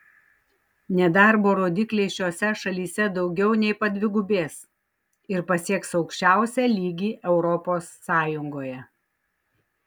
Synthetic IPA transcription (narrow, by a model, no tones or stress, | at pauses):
nʲɛd̪ɑˑɾboːɾoːd̪ʲɪklʲeɪʃʲoːsʲɛʃɐlʲiːsʲɛd̪ɒʊɡʲɛʊnʲɛɪpɐd̪ʲʋʲɪɡʊbʲeːs | ɪɾpɐsʲiɛksɒʊkʃʲt͡ʃʲæˑʊsʲɛlʲiːɡʲiːʔɛʊɾɔpoːsːɑːjʊŋɡoːjɛ